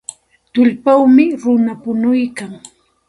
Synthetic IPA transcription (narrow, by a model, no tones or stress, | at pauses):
t̪ʊʎpawmɪɾʊnapʊnʊjkaŋ